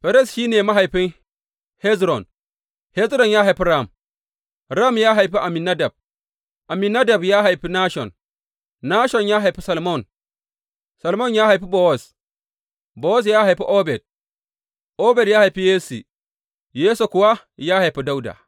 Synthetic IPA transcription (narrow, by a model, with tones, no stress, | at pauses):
ɸɛ˨ɾɛ˦˨sʃiː˦neː˨ma˦ɦa˨jɸɪ˦ŋ | hɛ˦zɾɔ˨n | hɛ˦zɾɔ˨njaː˦ɦa˨jɸi˦ɾa˦˨m | ɾa˦˨mjaː˦ɦa˨jɸi˦ʔa˨mi˨na˦da˨b̚ | ʔa˨mi˨na˦da˨bjaː˦ɦa˨jɸi˦naː˦ʃɔ̰˨n | na˦ʃɔ˨njaː˦ɦa˨jɸi˦sɐ˨lmɔ˦˨n | sa˨lmɔ˦˨njaː˦ha˨jɸi˦bo˦wɔ˦˨s | bo˨˦wɔ˦s̬jaː˦ɦa˨jɸi˦ʔo˦bɛ˨d̚ | ʔo˦bɛ˨djaː˦ha˨jɸi˦jeː˦sḭ˨ | jeː˦so˨kʷʊ˨wa˦ | jaː˦ha˨jɸi˦da˦wda̰ː˨